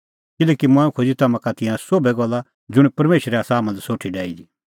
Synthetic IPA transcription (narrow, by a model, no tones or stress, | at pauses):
kɪlɛːkimɐ̃ːũkʰod͡zit̪ɐmãkat̪ɪ̃jãsobɛɡɔlːa | d͡zʊɽ̃pɐɾmeːʃɾɛɐsãɦmãlsoːʈʰiɖɛːidi